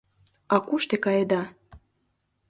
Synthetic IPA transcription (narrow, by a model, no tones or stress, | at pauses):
ɑkuʃt̪ekɑjed̪ɑ